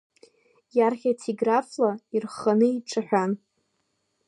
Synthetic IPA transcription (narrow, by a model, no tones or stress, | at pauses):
jarχʲatʰiɡraflairχanɨiʈ͡ʂʰʼaħʷᶣan